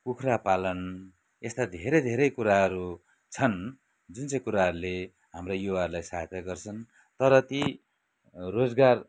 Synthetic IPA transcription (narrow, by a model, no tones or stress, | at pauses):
pukʰrapalʌn | est̪ad̪ʱeɾʌjd̪ʱeɾʌjkuɾaɦʌɾu | t͡sʰʌn | d͡zunt͡sãj̃kuɾaɦʌɾule | ɦamrajowarlajsat̪ʰjaɡʌrt͡sʰʌn | t̪ʌɾʌt̪i | rod͡zɡar